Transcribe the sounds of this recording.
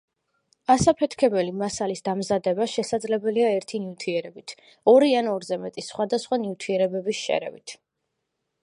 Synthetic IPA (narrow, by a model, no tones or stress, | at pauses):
asapʰɛt̪ʰkʰɛbɛlimasalisd̪amzad̪ɛbaʃɛsad̪zlɛbɛliaɛɾt̪ʰinivt̪ʰiɛɾɛbit̪ʰ | ɔɾianɔɾzɛmɛt̪ʼisχwad̪asχwanivt̪ʰiɛɾɛbɛbisʃɛ̰ɾɛ̰vḭt̪ʰ